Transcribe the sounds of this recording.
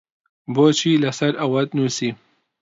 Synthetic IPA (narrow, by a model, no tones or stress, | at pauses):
boːt͡ʃʰiːlɐsɐɾɐwɐt̪nuːsiː